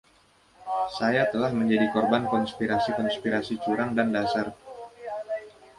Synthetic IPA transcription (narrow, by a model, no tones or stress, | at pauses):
sajat̪əlahməɲd͡ʒadikɔrbankɔnspiɾasikɔnspiɾasit͡ʃuɾaŋdandasar